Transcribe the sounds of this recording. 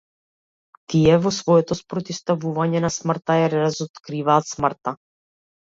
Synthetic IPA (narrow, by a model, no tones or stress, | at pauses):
t̪ijɛvosvojɛt̪ospɾot̪ɪst̪avuvaɲɛnasmrt̪ajɛɾazot̪kɾiːvaːt̪smr̩t̪a